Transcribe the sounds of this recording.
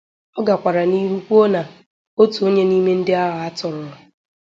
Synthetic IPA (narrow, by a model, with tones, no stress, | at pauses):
ɔ˦ɡa˨kʷa˨ɾa˨ni˦ɦu˦kʷu˦o˦na˨ | o˦tu˨o˦ɲe˦ni˦me˦n̩˦dɪ˦a˦ɦa˨a˦tʊ˨ɾʊ˨˦